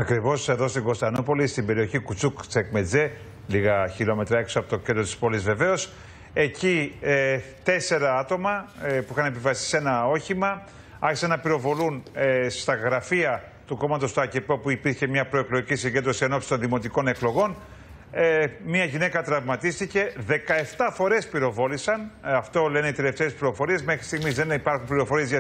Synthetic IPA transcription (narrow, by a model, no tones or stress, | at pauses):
ɐkɾivo̞se̞ðo̞st̪iɡo̞st̪ɐnopo̞list̪imbe̞ɾioçikut͡sukt͡sekmed͡ze | liɣɐçilo̞me̞t̪ɾɐeksoɐpo̞t̪ocend̪ɾo̞t̪i̥spo̞lizve̞ve̞o̞s | e̞ci | t̪e̞se̞ɾɐɐt̪o̞mɐpuixɐne̞pivɐsi̥se̞nɐo̞çimɐ | ɐɾçisɐnɐpiɾo̞vo̞lunst̪ɐɣɾɐfiɐ | t̪uko̞mɐt̪o̞st̪oɐcepo̞puipiɾçe̞mɲɐpɾo̞e̞klo̞ɣʝicisiɲɟnd̪ɾosieno̞psi̥t̪o̞nðimo̞t̪iko̞ne̞klo̞ɣo̞n | miɐʝine̞kɐt̪ɾɐvmɐt̪ist̪ice̞ðe̞kɐe̞ft̪ɐfo̞ɾe̞spiɾo̞vo̞lisɐnɐft̪o̞le̞ne̞it̪e̞le̞ft̪e̞ːspliɾo̞fo̞ɾie̞zme̞xɾist̪iɣmizðe̞nipɐɾxumpliɾo̞fo̞ɾie̞zʝɐ